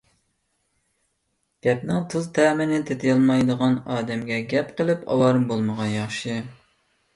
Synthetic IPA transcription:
ɡ̥ʲɛpnɨŋt̪ʰuzt̪ʰɛːmɪnɪt̪ʰet̪ʰɪjɑlˠmɑjd̪əʁɑnɑːd̪ɛmɡʲɛɡʲɛpqəlˠɨpɑ̰wɑɾɨmbolˠməʁɑnjɑχʃɨ

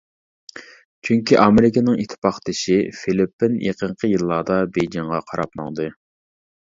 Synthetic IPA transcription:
t͡ʃʰyŋkʲiʔɑmeɾɪkʲɪnɪŋit̪ʰɪ̥pɑχt̪ɪʃifilɪpːɪnjʔḛqʰəɴqʰəjilˠːɑːd̪ɑbejd͡ʒiŋʁɑqʰɑɾɑp̚nɑ̰ŋd̪ɨ

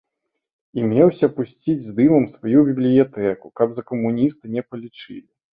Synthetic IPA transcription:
imʲɛwsʲɐpusʲt͡sʲid͡zʲzd̪ɨmɐmsvajubʲiblʲijat̪ɛkukɐbzɐkɐmunʲist̪ɨnʲɛpɐlʲit͡ʂɨ̰lʲi

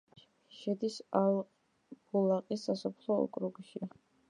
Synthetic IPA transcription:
ʃɛd̪isal | bulaqʼisːasɔpʰlˠɔɔ̰kʼɾuɡʃi

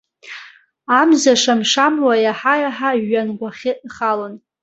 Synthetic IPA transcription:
amzaʂamʂamwajaħajaħaɥanɡʷaχʲɪχalon

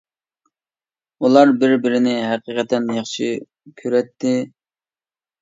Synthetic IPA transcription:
ulˠɑɾbɪɾbɪɾɪnɪɦæqiqʰɛt̪ɛnjɑχʃi | kʲʰøɾɛt̪ʰːɪ

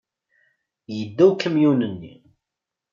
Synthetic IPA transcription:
jəd̪ːæwkːəmjunənːḭ

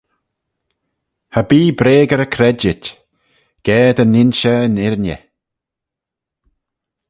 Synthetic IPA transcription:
habiːbɾeːɡəɾəkʰɾɛd͡ʒɪt | ɡ̥ɛːd̪ənɪnʃəənɪɾnjə̰

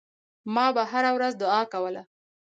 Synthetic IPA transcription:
mɑbaɦaɾawɾazd̪ʊɑkawəla

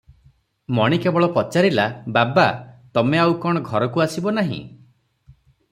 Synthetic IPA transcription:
mɔɽ̃ikebɔɭɔpɔt͡ʃaɾilababat̪ɔmeawkɔɽ̃ɔɡʱɔɾɔkuasibɔnaɦḭ̃

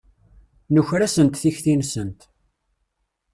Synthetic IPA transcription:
nəçɾæsənt̪θiçθinsənt̪

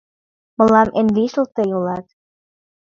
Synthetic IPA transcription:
mə̆lɑmʔenliʃəlt̪ejolɑt̪

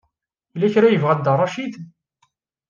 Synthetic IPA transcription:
lːæçɾæjəvʁæd̪ərˤːɑʃid̪

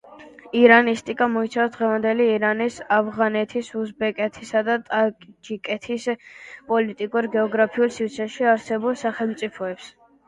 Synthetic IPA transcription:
iɾanist̪ʼikʼamɔit̪sʰavsd̪ʁɛvand̪ɛliːɾanisavʁanɛt̪ʰisusbɛkʼɛt̪ʰisad̪at̪ʼakʼd͡ʒikʼɛt̪ʰispʼɔlit̪ʼikʼuɾɡɛɔɡɾapʰiulˠsiɾt̪sʰɛʃiaɾsɛbulˠsaχɛlˠmt̪sʼipʰɔɛps

